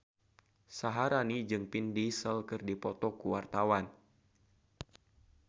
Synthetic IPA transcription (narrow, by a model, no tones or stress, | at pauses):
saɦaɾanid͡ʒɨŋpindisəlkɨrdipɔt̪ɔkuwart̪awan